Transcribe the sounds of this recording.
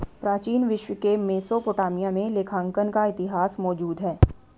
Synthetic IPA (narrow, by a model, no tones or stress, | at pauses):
pɾaːt͡ʃiːnʋɪʃwəkemeːsopoːʈaːmijamẽlekʰãːŋkənkaɪt̪ɪɦaːsmɔːd͡ʒuːd̪ɦɛː